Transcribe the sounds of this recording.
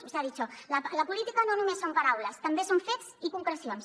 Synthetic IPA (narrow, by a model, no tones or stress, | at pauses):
usaðit͡ʃɔlələpulit̪ikənonumesːompaɾawləst̪ɐmbesoɱfet̪sikuŋkɾəsions